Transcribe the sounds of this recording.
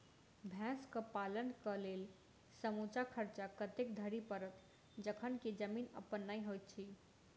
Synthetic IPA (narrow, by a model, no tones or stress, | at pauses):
bʱãskəpalənkəlel | səmut͡ʃakʰəɾt͡ʃakət̪ek̚d̪ʱəɾipəɾət̪ | d͡ʒəkʰənked͡ʒəminə̰pənːajɦojt̪̚t͡ʃʰi